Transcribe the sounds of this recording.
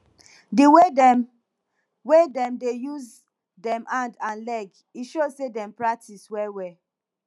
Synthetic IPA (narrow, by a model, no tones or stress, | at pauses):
diwedɛm | wedɛ̃mdejuz | dɛ̃mʔãndãnlɛɡ | iʃozsedɛ̃mpɹak̚tʰiswɛwɛ